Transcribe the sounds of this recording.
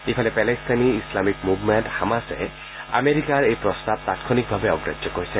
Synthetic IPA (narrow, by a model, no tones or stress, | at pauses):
ipʰalepɛlest̪aniːslamikmubmeɳʈhamasḛ | a̰meɾikaɾejpɾɔst̪ab̚t̪at̪kʰɔnik̚bʱabeɔɡɾḛd͡ʒːɔkoɾisʰe